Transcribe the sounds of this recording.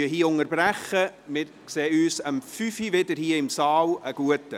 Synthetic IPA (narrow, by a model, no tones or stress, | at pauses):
əɦiːəʊŋəɾbræχəmɪɾkseːyːsəmfyfivɪdəɾhiːəɪmsɑːləɡ̥uətə